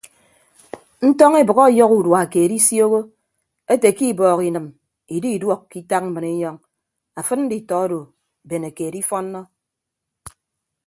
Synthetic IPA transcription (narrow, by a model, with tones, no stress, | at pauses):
n̩˦tɔ˦ŋe˦bɨ˨ɣɔ˦˨jɔ˦ku˨dwa˨a˨ke˨ɾi˦sjo˦ɣo˦ | e˦te˨ki˦˨bɔː˨ki˨nɨ˨m | i˨di˦i˨dwɔ˦˨kki˦ta˦k̚m̩˦mɨ˨ne˦ɲɔ˦ŋ | a˨fɨ˦tn̩˦di˨tɔ˨˦ɔ˦do˨ | be˨ne˨ke˨di˦fɔ˦n̩ː˦ɔ˦